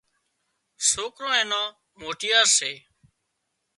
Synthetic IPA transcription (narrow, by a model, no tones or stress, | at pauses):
soːkɾõːẽːnãː | moːʈɪjaːɾseː